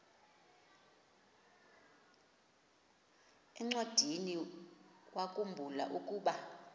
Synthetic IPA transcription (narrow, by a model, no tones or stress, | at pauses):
ɛŋ͡ǀod̥ʱini | wʔakʼumbʱula̰ʔukʼuːɓa